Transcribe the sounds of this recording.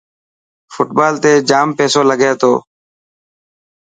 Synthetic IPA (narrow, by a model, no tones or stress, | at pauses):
fʊʈbaːlt̪eːd͡ʒaːmpeːsoːləɡeːt̪o̰ː